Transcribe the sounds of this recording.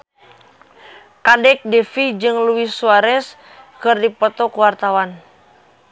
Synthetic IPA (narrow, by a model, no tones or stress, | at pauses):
kadɛk̚dɛfid͡ʒɨŋluisuaɾɛs | kɨrdipɔt̪ɔkuwart̪awan